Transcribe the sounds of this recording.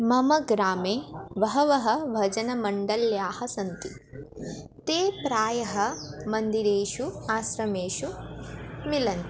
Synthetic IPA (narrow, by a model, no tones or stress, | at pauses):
mɐmɐɡɾaːmeːʋɐɦɐʋɐɦɐʋʱɐd͡ʒɐnɐmɐɳɖɐljaːhɐsɐnt̪i | t̪eːpɾaːjɐɦɐmɐnd̪iɾeːʃuaːsɾɐmeːʃu | milɐn